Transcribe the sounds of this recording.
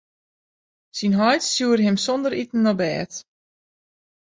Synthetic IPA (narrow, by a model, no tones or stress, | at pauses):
sinɦɔjtsjuəɾɦɪmsɔndəɾitn̩ːɔbɛːt